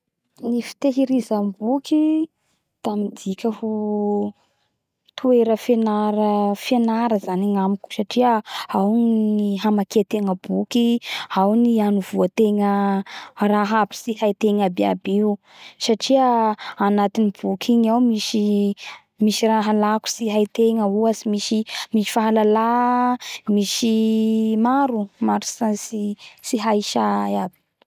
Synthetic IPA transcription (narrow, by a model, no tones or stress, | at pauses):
nifi̥t̪eɦiɾizambukʲi | t̪amid̪ikʲəhu | t̪ueɾəfenaɾəfenaɾəzaniŋamikʲu̥saʈ͡ʂiəawnniɦamakeat̪eŋəbukiawnianuvuət̪eŋə | raɦapi̥siɦajt̪eŋabia̰biu | saʈ͡ʂiəanat̪inib̥ukʰiɲawmiʃi | miʃiraɦalaku̥siɦajt̪eŋəuasimiʃimiʃi̥faɦalala | miʃimaɾumaɾisasisiɦajʃaab̥i̥